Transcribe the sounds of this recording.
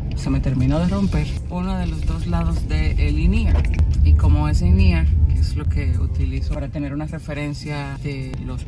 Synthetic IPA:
seme̞t̪e̞ɾmĩnoðe̞ro̞mpe̞ɾ | unoðe̞losd̪o̞zlaðo̞zðeʔeliniaiko̞mo̞es̬iniakeslo̞ke̞ṵt̪ilisopaɾat̪e̞ne̞ɾunare̞fe̞ɾe̞nsja | d̪̥e | lo̞s

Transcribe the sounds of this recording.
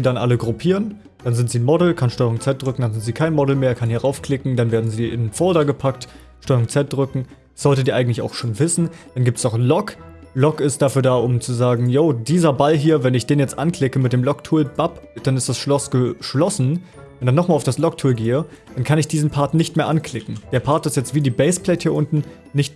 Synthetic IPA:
ziːdanʔa̰ləɡʁupʰiːʁən | d̥anzɪntz̥iːnmɔdl̩kʰanʃtɔʏʁʊŋt͡sɛt̚d̥ʁʏkŋ̩d̥anzɪntz̥iːkʰaɪnmɔdl̩meːɐkʰanhiɐʁʔaʊfkʰl̥ɪkŋ̩d̥anveːɐdn̩ziːʔɪ̰nfɔɐdɐɡəpʰak̚t | ʃtɔʏʁʊŋt͡sɛt̚d̥ʁʏkŋ̩ | z̥ɔltədiːʔaɪɡŋ̩tlɪçaʊxʃoːnvɪsn̩d̥anɡiːp̚təsnɔχnlɔk | lɔkɪst̚d̥aːfyːɐdaːʔʊmt͡suzaːɡŋ̩joːdiːzɐbalɦiːɐvɛnɪçd̥eːnjɛt͡stʔankl̥ɪkəmɪt̚d̥eːmlɔktʰuːlb̥apd̥anɪstd̥asʃlɔsɡ̥əʃlɔsn̩ | vɛndanːɔχmaːlaʊfd̥aslɔktʰuːlɡeːə | d̥ankʰanɪçd̥iːzn̩pʰaɐtnɪçtmeːɐʔankʰl̥ɪkŋ̩d̥eːɐpʰaɐtɪstjɛt͡stv̥iːdiːbɛɪsplɛɪthiːɐʔʊntn̩ | nɪçt

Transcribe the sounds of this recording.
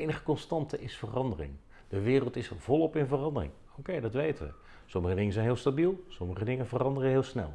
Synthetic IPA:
ejnəχə̥kɔnstɑntəʔɪsfərɑndərɪ̰ŋ | d̥əʋɪːrəlˠtɪsv̥ɔlˠɔpɪnvərɑndərɪ̰ŋ | owkejdɑtʋejtəʋə̰ | sɔmːəχədɪŋənzɛjnɦɪːlˠstabilˠsɔməχədɪŋənvərɑndərəɦɪːlˠsnɛ̰lˠ

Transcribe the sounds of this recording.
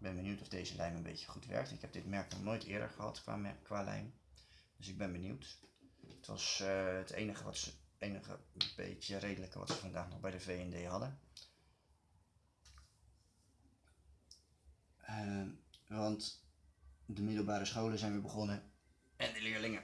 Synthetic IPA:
bɛnbənywtɔvdejzəlʔɛjmənbḛjtə̥χutʋɛ̰ɹk̚tɪkɦɛb̚dɪtmɛɹk̚nɔχnoːjtɪ̰ːɹdə̰ɹχəɦɑ̰tkʋa̰ːmɛkʋaːlɛ̰jmd̥ɵsɪɡ̚bɛnbənḭwt | ətʋɑ̰sətʰḛjnəχəʋɑtsəejnəχə̰b̥ḛjtərejdələkəʋɑ̰tsəvɑndaːχnɔχbɛjdəvejɛndejɦɑdə | ʋɑnt | dəmɪdəl̩ˠbaːɾəsχowləzɛjnʋɪːbəχɔnə | ɛndəlɪːɹlɪŋə

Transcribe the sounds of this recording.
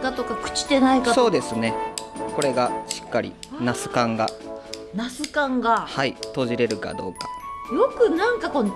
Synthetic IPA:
kat̪o̞kakɯ̟̥t͡ɕi̥t̪e̞naikaso̞ːd̪e̞sɨne̞ko̞ɾe̞ɡaɕi̥kːaɾʲḭ | nasɨ̥kãŋɡa | nasɨkãŋɡahait̪o̞ːʑiɾe̞ɾɯ̟ka̰d̪o̞̰ːkḁjo̞kɯ̟nãŋkako̞n

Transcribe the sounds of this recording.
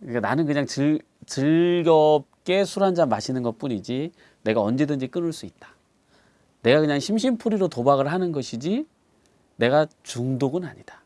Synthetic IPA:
k͈ananɯnkɯɲaŋt͡ɕɯ | t͡ɕɯɭɡʌp̚k͈e̞sʰuɾand͡ʑammːaɕʰinɯnɡʌt̚p͈uɲid͡ʑi | ne̞ɡaʌnd͡ʑe̞dɯnd͡ʑik͈ɯnɯɭs͈uit̚t͈ḁ | ne̞ɡakɯɲaŋɕʰimɕ̬ʰinpʰuɾiɾotobaɡɯɭɦanɯnɡʌɕʰid͡ʑi | ne̞ɡat͡ɕuŋdoɡɯna̰ɲid̥ḁ

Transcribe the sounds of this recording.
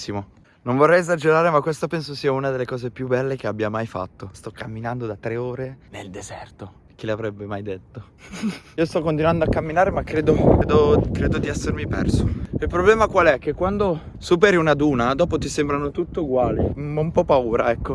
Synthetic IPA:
imo | noɱvorːɛjezad͡ʒeɾaːɾemakwest̪apɛnsosiːaunad̪elːekɔːzepjubːɛlːek̟eabːjamajfa̰t̪ːost̪ɔkːamːinand̪od̪at̪ːɾeoːɾeneld̪ezɛrt̪o | k̟ileavɾɛbːemajd̪et̪ːo | iːost̪ɔkːont̪inwand̪oakːamːinaːɾemakːɾeːd̪okeːd̪okɾeːd̪od̪iɛsːermipɛ̰rsoilpɾoblɛːmakwalɛk̟ːekːwand̪o | sup̬eɾiunad̪uːnad̪ɔːpot̪isembɾanot̪ut̪ːeuɡwaːlimɔumpɔpːauːɾaɛkːo

